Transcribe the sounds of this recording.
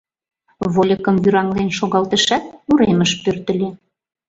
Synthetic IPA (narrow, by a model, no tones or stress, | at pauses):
βolʲəkə̆mβyɾɑŋlenʃoɣɑlt̪əʃæt̪̚uɾeməʃpørt̪ə̆lʲe